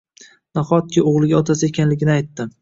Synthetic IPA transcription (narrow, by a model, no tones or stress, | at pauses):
naχɒt̪̚kʲɪoʁlˠɪɡʲaɒt̪ʰasɪekʲʰanlɪɡʲɪnɪajt̪ːɪ